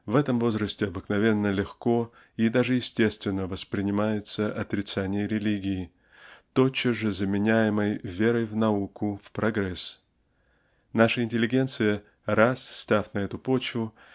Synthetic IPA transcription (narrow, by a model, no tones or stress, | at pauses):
vɛt̪əmvo̞zɾəsʲtʲɪɐbɨknɐvʲe̞nːəlʲɪxko̞ | id̪aʐɨjɪsʲtʲe̞st̪vʲɪnːəvəspɾʲɪnʲɪmajɪt̪səʔɐt̪ɾʲɪt̪sanʲɪjəɾʲɪlʲiɡʲɪː | t̪o̞t͡ɕːəʐɨzəmʲɪnʲæjɪməjvʲe̞ɾəjvnɐukʊfpɾɐɡɾɛs | naʂəɪnʲtʲɪlʲɪɡʲe̞nt̪sɨjə | ɾasːt̪afnɐɛt̪ʊpo̞t͡ɕvʊ